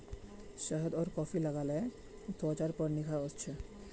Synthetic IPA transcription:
ʃəɦd̪ɔːɾkɔfʰiləɡalɛ | t̪ɔt͡ʃaɾpɔɾnikʰaost͡ʃʰe

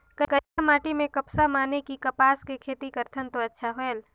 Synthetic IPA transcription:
kəkəamaːʈimẽkəpsamaːnekikəpaːskekʰeːt̪ikəɾt̪ʰənt̪oətːʃʰaɦoel

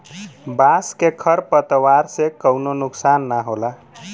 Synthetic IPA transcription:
baskekʰəɾpət̪waɾsekəwnonuksanːaɦola

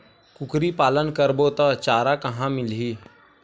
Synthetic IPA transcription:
kʊkɾipaːlənkəɾboːt̪at͡ʃaːɾakɐɦãmɪlɦiː

